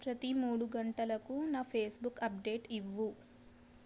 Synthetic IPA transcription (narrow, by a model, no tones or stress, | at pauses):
pɾɐt̪imuːɽuɡɐɳʈɐlɐkunaːpʰeːsbukɐp̚ɖeːʈiʋːu